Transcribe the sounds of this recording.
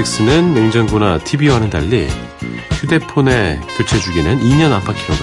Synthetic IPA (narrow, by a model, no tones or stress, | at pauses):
ik̚s͈ɯnɯnmeŋd͡ʑaŋɡonatʰibiwanɯnda̰ʎːḭ | sʰude̞pʰone̞kot͡ɕʰed͡ʑuɡenɯniɲʌnampʰakʰiɾoda